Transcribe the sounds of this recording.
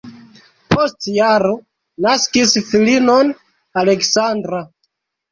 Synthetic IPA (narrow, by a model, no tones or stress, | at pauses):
po̞stjaɾo | naskisfilinon | ale̞ksandɾa